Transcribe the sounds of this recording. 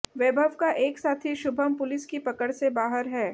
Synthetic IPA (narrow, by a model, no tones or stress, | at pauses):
ʋeːbʱəʋkaʔeːksaːt̪ʰiʃʊbʱəmpʊlɪskipɐkəɽsebaːɦəɾɦɛː